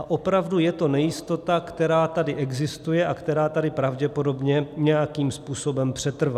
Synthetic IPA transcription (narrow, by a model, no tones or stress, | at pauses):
aʔo̞pɾavdujɛt̪o̞nɛjɪst̪o̞t̪akt̪ɛɾaːt̪adɪʔɛɡzɪst̪ujɛʔakt̪ɛɾaːt̪adɪpɾavɟɛpo̞do̞bɲɛɲɛjakiːmspuːso̞bɛmpr̝̥ɛt̪r̩va